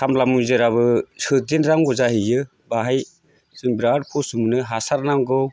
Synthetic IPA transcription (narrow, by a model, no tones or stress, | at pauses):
tʰamlamujzɯɾaβɯsɯdinɾaŋɡɔzaɦijɯ | baɦaj | zɯŋbɾadpʰusɯmɯnɯɦasaɾnaŋɡɯw